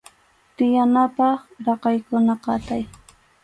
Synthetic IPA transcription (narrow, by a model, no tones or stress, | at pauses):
t̪ɪjanapɑχɾɑqɑjkʊnaqɑt̪aj